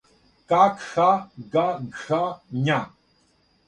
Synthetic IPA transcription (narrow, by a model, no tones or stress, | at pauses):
kakxaɡaɡxaɲa